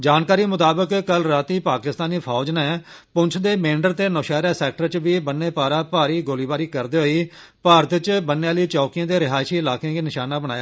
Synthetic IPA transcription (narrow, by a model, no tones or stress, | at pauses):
d͡ʒaːnkaːɾiːmʊt̪aːbəkkəlɾaːt̪iːpaːkɪst̪aːniːpʰɔːd͡ʒneːpʊ̃nt͡ʃʰd̪eːmẽːɳɖəɾt̪eːnɔːʃɛːɾaːsɛːk̚ʈəɾt͡ʃʋiːbənːeːpaːɾaːpaːɾiːɡoːliːbaːɾiːkəɾd̪eːɦoːiː | paːɾət̪t͡ʃbənːeaːliːt͡ʃɔːkɪjãːd̪eːɾɪɦaːʃiːɪlaːkẽãːkeːnɪʃaːnaːbəɽ̃aːjaː